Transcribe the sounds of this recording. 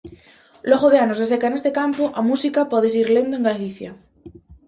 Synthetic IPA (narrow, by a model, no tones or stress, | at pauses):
loɣoðeanozðesekaene̞st̪ekampoʔamusikapoðes̬iɾle̞nd̪oeŋɡalliθja